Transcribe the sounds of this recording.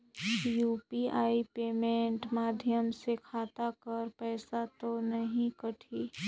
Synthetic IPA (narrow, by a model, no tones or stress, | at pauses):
juːpiaːipeːmẽːɳʈmaːd̪ʱjəmsekʰaːt̪akɐɾpɛːsat̪onɐɦĩkɐʈʰiː